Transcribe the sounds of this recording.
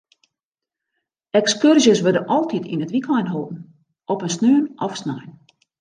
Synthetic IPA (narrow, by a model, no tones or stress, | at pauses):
ɛkskørʒjəsʋødənʔɔlˠtʰitʰḭnətʋikʰɔjnɦolˠtn̩ | ʔɔpənsnøːnʔɔfsnajn